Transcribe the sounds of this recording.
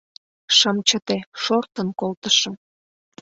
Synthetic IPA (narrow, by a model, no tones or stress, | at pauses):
ʃəmt͡ɕət̪eʃort̪ənkolt̪əʃɤ̆